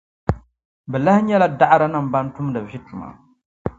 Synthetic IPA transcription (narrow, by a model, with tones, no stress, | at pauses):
bɛ˨la˦hɲɛ˦la˦da˦ʔɾa˦nɨ˦˨m˨ba˦n˦tu˦m˦dɨ˨vi˦tu˨ma̰˨